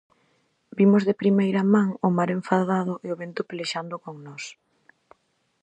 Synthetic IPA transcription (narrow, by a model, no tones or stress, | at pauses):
bimʊzðepɾimejɾamãŋʊmaɾeɱfaðaðʊʔeoβent̪ʊpeleʃand̪ʊkoŋnɔs